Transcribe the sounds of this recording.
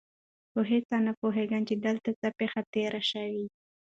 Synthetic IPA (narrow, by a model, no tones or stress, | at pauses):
xoɦet͡sanapoɦeɡant͡ʃed̪əlt̪at͡sapexat̪eɾʔaʃawi